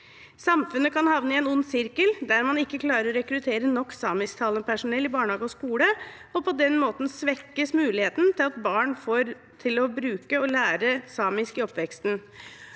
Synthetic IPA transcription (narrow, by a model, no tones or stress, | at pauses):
sɑmfʉnːəkʰɑnhɑʋnəɪɛnʊnːsɪɾkəld̪æɾmɑnɪkːəkʰlɑːɾəɾɔɾɛkɾʉt̪ʰeːɾənɔkːsɑːmɪskt̪ʰɑːləpʰæʂʊnɛlːɪbɑːɳəhɑːɡəɔskuːlə | ɔpʰɔd̪ɛnmoːt̪n̩sʋɛkːəsmʉːlɪheːt̪n̩t̪ʰɪlɑt̪bɑːɳfoːɾ | t̪ʰɪlɔbɾʉːkəɔlæːɾəsɑːmɪskɪɔpʋɛkst̪n